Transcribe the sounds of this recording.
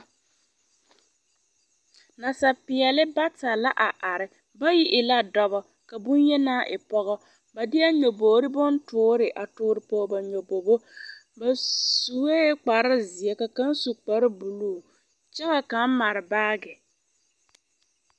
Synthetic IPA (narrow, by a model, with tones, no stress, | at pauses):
na˨sa˨pɪ˨ɛ˨lɪ˦ba˦ta˨la˦ʔa˨ʔa˨ɾɪ˨ | ba˦ji˦ʔɪ˨la˦dɔ˦bɔ˦ | ka˨bu˦n˦jɛ˦naː˦˨ʔɪ˨pɔ˦ɣɔ˦ | ba˨dɪ˦a˦ɲo˨boː˨ɾɪ˦bʊ˦n˦tʊː˦ɾɪ˨ʔa˨tʊː˦ɾɪ˨pɔ˦ba˨ɲo˨bo˨bo˦ | ba˨su˨we˦k͡pa˨ɾa˦zɪ˨ɛ˦ka˨ka˦n˦su˨k͡pa˨ɾɪ˦bu˨luː˦˨ | t͡ʃɛ˦ɣa˨ka˨˦ma˨ɾɪ˨baː˦ɡɪ˨